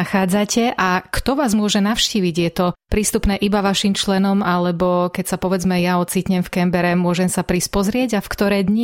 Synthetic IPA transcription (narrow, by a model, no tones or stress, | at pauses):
axaːd͡zacɛʔakt̪ɔʋaːzmʊɔʒɛnaʊʃciːʋiɟjɛt̪ɔpɾiːst̪upnɛːʔibaʋaʃimt͡ʃlɛnɔmalɛbɔkɛcsapɔʋɛd͡zmɛjaɔt͡siːt̪ɲɛmfkɛmbɛɾɛmʊɔʒɛmsapɾispɔzɾɪɛɟafkt̪ɔɾɛjd̪ɲi